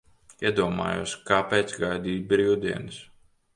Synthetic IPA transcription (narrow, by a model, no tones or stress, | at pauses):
iɛd̪uɔma̰ːjṵːskaːpɛt̪sɡajd̪iːbɾiːwd̪iɛnɨs